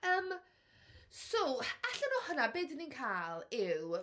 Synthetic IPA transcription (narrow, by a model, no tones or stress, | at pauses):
əːm | sowaɬənoːhənabeːdəninkʰaːlˠɪw